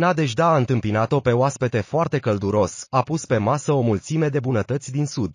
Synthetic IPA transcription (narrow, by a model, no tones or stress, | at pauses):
nad̪e̞ʒd̪aːɨnt̪ɨmpinat̪o̞pe̞oaspe̞t̪e̞foart̪e̞kəld̪uɾo̞sapuspe̞masəo̞mult̪sime̞d̪e̞bunət̪ət̪sʲd̪insud̪̥